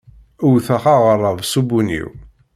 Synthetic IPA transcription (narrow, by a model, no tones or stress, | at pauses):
ʊwθaχaʁərˤːəvsubunḭw